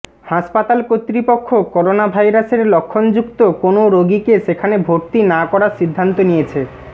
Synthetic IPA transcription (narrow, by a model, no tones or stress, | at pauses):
haʃpat̪alkot̪ːɾipokʰːokɔɾonabʱajɾaseɾlokʰːond͡ʑukt̪okonoɾoɡikeʃekʰanebʱoɾt̪inakɔɾaɾʃid̪ʱːant̪onijet͡ɕʰe